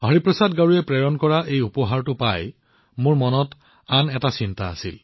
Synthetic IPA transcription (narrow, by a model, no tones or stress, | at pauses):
ɦaɹipɹɔsadɡaɹuɛpɹɛɹɔnkɔɹaʔejupɔɦaɹtʊpaj | mʊɹmɔnɔt | anɛtasinta̰ːsḭl